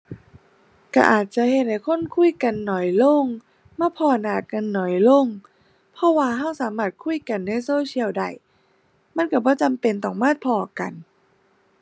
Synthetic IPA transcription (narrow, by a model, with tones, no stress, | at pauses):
ka̰˧˩ʔaː˨˩t̪̚t͡ɕa˧˨he˨˩t̪̚ha˧˩jkʰo˧˥˨nkʰu˧˥˨jka˧nːɔː˨˩jlo˧˥˨ŋ | maː˧˥˩pʰɔː˧˩naː˨˩ka˧nːɔː˨˩jlo˧˥˨ŋ | pʰɔ˧˥waː˧ɦa˧˥˩wsaː˨˦maː˧˩t̪̚kʰu˧˥˨jka˧˨nːa˧˥˨jsoː˧˦t͡ɕʰi˧əwda̰˧˩j | ma˧˥˨nka˧˩bɔː˧˦t͡ɕa˨˧˨mpe˧nt̪ɔː˨˩ŋmaː˥˩t̪̚pʰɔː˧˩ka̰˨n